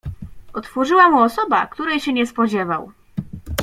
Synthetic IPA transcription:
ʔɔt̪fɔʐɘwamuɔsɔba̰kt̪uɾɛjɕɛɲɛspɔd͡ʑɛva̰w

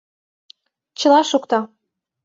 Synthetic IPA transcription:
t͡ɕə̆lɑʃukt̪ɑ

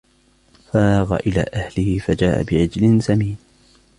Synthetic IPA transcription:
faaːɣa̰ʔɪla̰ːʔahlɪhɪfad͡ʒaːʔa̰bɪʕɪd͡ʒlɪnsamiːn

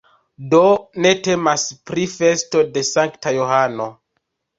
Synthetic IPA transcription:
do̞ne̞te̞maspɾife̞sto̞de̞saŋktajoɦano̞

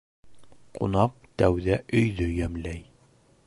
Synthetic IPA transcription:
qṵnɑq̚t̪æwðæʔɵ̆jðɵjæmlæj

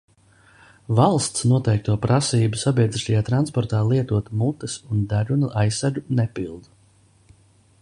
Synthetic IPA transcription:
valˠst̪snuɔt̪ɛjk̚t̪uɔpɾasiːbusabʲiɛd̪ziʃt̪ajaːt̪ɾanspɔɾt̪aːlˠiɛt̪uɔt̪mut̪ɨsund̪aɾunuʔajsːaɾɡunɛpilˠd̪u

